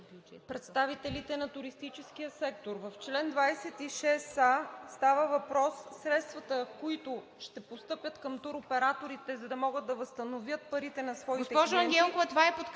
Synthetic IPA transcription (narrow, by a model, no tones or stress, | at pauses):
pɾɛt̪st̪avit̪ɛlit̪ɛnɐt̪ʊɾist̪it͡ʃɛsk̟ijəsɛk̚t̪oɾvɐft͡ʃlɛnd̪vajsɛt̪iʃɛsast̪avəvɐpɾɔsːɾɛt̪st̪vɐt̪əkoit̪ʊ | ʃt̪ɛpost̪ɤpʲjət̪kɐmt̪uɾopɛɾat̪oɾit̪ɛzɐd̪ɐmɔɡəd̪̚d̪ɐvɐst̪ɐnovjət̪̚pɐɾit̪ɛnɐsvɔiɡt̪ɛpɔʒoɐɡʲɛnkovət̪ovaɛpot̪